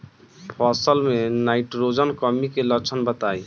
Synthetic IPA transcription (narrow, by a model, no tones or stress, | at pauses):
pʰɔsəlmenaɪʈɾod͡ʒənkəmikelət͡ʃʰənbət̪aj